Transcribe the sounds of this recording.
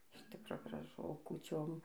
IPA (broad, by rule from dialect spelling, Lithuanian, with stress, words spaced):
ɪʃ ˈtʲɪkroː ɡrɐˈʒʊ oː kuːˈt͡ʃʲoːm